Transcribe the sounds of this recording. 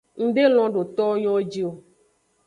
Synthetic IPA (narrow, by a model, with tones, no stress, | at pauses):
ŋ̩˦ɖe˦l̃ɔ̃˦ɖo˨t̪ɔ˦o˦ɲɔ̃˦d͡ʒi˦o˦